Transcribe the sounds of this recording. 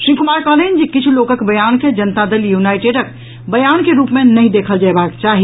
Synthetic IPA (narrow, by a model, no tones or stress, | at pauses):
ʃɾikumaɾkəɦləɦind͡ʒekit͡ʃʰulokəkbəjanked͡ʒənt̪ad̪eljunajʈeɖək̚ | bəjankeɾupmenəɦĩd̪ekʰəld͡ʒaebakt͡ʃaɦi